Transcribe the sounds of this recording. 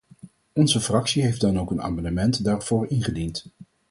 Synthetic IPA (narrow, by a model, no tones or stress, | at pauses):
ɔnzəfrɑksiɦejfdɑnowkəna̰ːmɑndəmɛntdaːrv̥oːɹɪnχədint